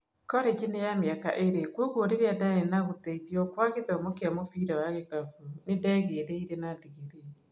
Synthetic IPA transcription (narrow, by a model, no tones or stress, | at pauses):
kɔɾɛd͡ʒinejameaka̰ʔeɾekwoɣwoɾeɾeadaɛnaɣotɛiðiɔkwaɣeðɛomokeamofiɾawaɣeɣavunedɛːɣeɾeiɾenadiɣeðe